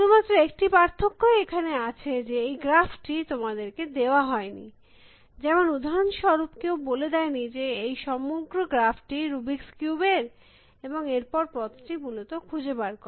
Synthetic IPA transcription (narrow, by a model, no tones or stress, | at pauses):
ʃud̪ʱumat̪ːɾoek̚ʈipaɾt̪ʰokːoeekʰaneat͡ɕʰed͡ʑeejɡɾafʈit̪omad̪eɾked̪eoaɦɔenḭ | d͡ʑɛmonud̪ʱaonʃɔɾupkewboled̪ɛenid͡ʑeejʃɔmoɡɾoɡɾafʈiɾubikskjubeɾ | eboŋeɾpɔɾpɾɔt̪ʈimulot̪okʰud͡ʑebaɾkɔ